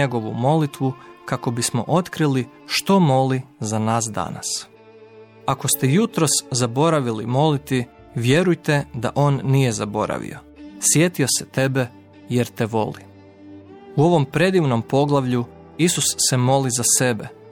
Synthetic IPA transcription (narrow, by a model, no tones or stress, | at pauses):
eɡo̞ʋṵmo̞lit̪ʋukako̞bismo̞̰ʔo̞t̪kɾili | ʃt̪o̞mo̞lizanaːs̬d̪a̰na̰s | ako̞st̪ejut̪ɾo̞szabo̞ɾaʋilḭmo̞lit̪i | ʋje̞ɾujt̪e̞d̪aʔo̞ːnːije̞zabo̞̰ɾa̰ʋḭo̰ | sje̞t̪iose̥t̪e̞be̞ | jeɾt̪e̞ʋo̞li | uo̞ʋo̞mpɾe̞d̪iʋno̞mpo̞ɡlˠaʋʎu | isusːe̞mo̞lizase̞be